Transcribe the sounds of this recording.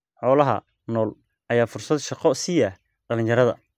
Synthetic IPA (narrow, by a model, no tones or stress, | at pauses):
ħɔːlɐɦɐ̰ | nɔːl | ʔɐjaːfʊrsɐd̪ʃɑqɔsɪjɐ | ɖɐlɪnt͡ʃɐɾɐðɐ̰